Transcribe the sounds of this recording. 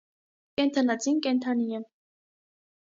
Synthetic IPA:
kɛnt̪ʰɑnɑt͡sinkɛnt̪ʰɑnijɛ

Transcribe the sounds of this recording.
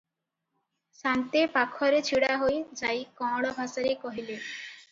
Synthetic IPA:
sant̪epakʰːɔɾet͡ɕʰiɽaɦojd͡ʑajkɔɽɔbʱasaɾekɔɦile

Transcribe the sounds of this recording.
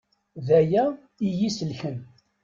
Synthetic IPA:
ðæjæ | ijisəlçən

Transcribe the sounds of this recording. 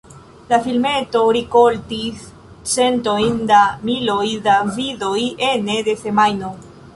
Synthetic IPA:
lafilme̞to̞ɾikoltis | t͡sentojndamilo̞jdaviðo̞jenede̞se̞majno

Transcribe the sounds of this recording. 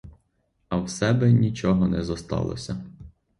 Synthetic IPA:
ɐwsɛbɛnʲit͡ʃɔɦɔnɛzɐst̪ɑ̰lˠɔ̰sʲɐ

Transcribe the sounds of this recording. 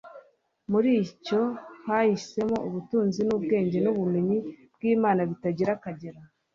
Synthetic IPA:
muɾiːco̞hahise̞mo̞uβutuːnzinuːbɡe̞ːɲɟe̞nuβume̞ɲibɡiːmaːnaβitaɟiɾakaɟeɾa

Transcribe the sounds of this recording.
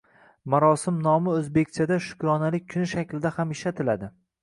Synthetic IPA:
maɾɒsɪmnɒmɪɵzbe̞kʲt͡ʃʰad̪aʃʊ̥kɒnalɪk̚ʲʰːʊnɪʃakʲlɪd̪ahamɪʃlat̪ʰɪlad̪ɪ

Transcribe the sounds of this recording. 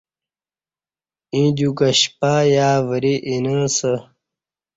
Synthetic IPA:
ĩd͡ʑukɐɕpajaːvəɾiʔinəsə

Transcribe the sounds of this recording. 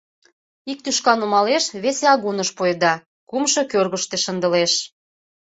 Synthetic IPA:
ik̚t̪yʃkɑnumɑleʃβeseɑɣunəʃpojd̪ɑ | kumʃɤ̽kørɣəʃt̪eʃənd̪əleʃ

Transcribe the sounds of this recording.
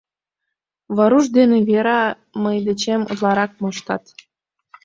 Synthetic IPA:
βɑɾuʒd̪eneβeɾɑ | məjd̪et͡ɕemṵzlɑɾɑk̚moʃt̪ɑt̪

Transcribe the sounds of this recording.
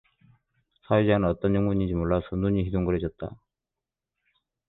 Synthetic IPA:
sʰawed͡ʑanɯnʌt͈ʌnjʌŋmuɲid͡ʑimoɭːasʰʌnuɲiɦidoŋɡʌɾed͡ʑʌt̚t͈a

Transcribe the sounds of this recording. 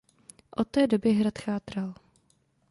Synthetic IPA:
ʔot̪ːɛːdo̞bɪɦɾat̪xaːt̪ɾal

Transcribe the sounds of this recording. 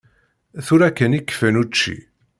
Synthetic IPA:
θuɾækːənikːfənut͡ʃːḭ

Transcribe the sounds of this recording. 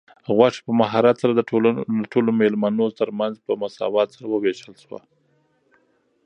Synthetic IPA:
ɣwɑʂi̥pəmaɦɑɾat̪saɾaolad̪əʈolomelmanot̪əɾmanzpəmʊsɑ̰wɑt̪saɾawəweʃəlʃwa̰

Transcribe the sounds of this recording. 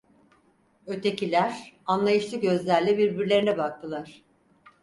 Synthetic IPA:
ø̞t̪ʰe̞cilʲæɾ̥anlˠajɯʃlˠɯk̚ɟø̞zlʲæɾlʲɛbiɾbiɾlʲe̞ɾinɛbak̚t̪ʰɯlˠaɾ̥

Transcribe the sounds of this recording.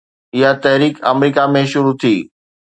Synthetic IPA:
ɪɦat̪ɐɦɾiːkɐ̰mɾiːkamẽʃʊɾut̪ʰiː

